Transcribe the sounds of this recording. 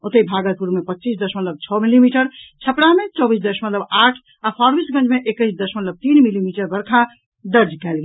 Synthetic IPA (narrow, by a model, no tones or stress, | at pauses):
ot̪əibʱaɡəlpuɾmepətːt͡ʃisd̪əsmət̪ləb̚t͡ʃʰɔmilimiʈəɾt͡ʃʰəpɽamet͡ʃɔbisd̪əsmət̪ləbaʈʰ | apʰaɾbisɡə̃nd͡ʒmeʔekəɪsd̪əsmət̪ləb̚t̪inmilimiʈəɾbəɾkʰa | d̪əɾd͡ʒkɛlɡe